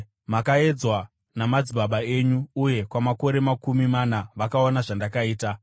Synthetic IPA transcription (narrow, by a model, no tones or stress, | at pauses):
makae̞d͡zwa | namad͡ziɓaɓae̞ɲuːje̞kwamako̞ɾe̞makumimanaʋakaonaʐandakaiːta